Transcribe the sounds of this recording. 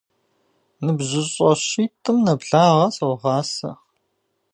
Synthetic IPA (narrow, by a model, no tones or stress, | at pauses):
nɨbʑɪɕʼɐɕiːtʼʰɨmnɐbɮaːʁɐsɐwʁɑːsɐ̰